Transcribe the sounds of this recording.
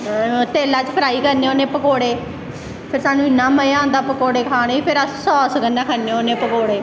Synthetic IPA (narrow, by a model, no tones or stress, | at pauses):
t̪eːlaːt͡ʃpʰəɾaːiːkəɾneːoːnẽːpəkoːɽeː | pʰɪɾsaːnũːɪnːaːməjãːnd̪aːpəkoːɽeːkʰaːñepʰɪɾəssɔːskənːaːkʰənːeːoːnẽːpəkoːɽeː